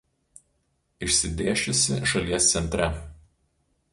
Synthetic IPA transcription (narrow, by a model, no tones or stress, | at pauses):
ɪʃʲsʲɪd̪ʲeːʃʲʊsʲɪʃɐlʲiɛst̪sʲɛnʲt̪ʲɾʲɛ